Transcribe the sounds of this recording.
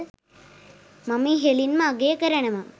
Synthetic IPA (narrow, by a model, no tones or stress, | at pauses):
mɐmiɦelinmaːɡejɐkɐɾɐɳɐma